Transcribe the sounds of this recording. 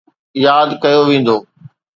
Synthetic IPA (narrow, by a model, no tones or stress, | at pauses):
jaːd̪kɐjoʋẽːn̆d̪oː